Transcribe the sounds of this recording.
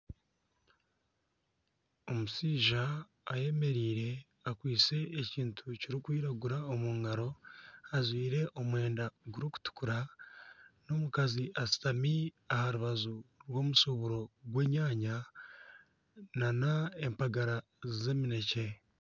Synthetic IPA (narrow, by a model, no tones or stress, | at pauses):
o̞musiːʒaː | je̞me̞ɾiːɾe̞ | akwiːt͡se̞ːciːntʰuciɾikwiːɾaɡuɾaomuːŋaɾo̞azwiːɾe̞ʔo̞mwe̞ːndaɡuɾuku̥tu̥kuɾa | no̞mukaziʔasi̥tami | ahaɾuβazuɾwo̞ːmusoβuɾo̞ɡwe̞ːɲaːɲa | nanaempaɡaɾa | zeːmine̞ce̞